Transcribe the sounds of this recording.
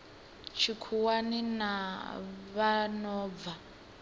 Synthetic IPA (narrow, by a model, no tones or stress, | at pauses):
t͡ʃʰikʰuwanina | βanɔːb̪va